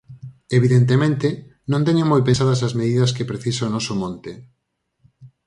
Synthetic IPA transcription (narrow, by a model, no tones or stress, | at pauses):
eβiðent̪̬emẽnt̪enõnt̪̬eɲomojpesaðɐs̬ɐzmeðiðɐskepɾeθisaonɔsomɔ̃nt̪e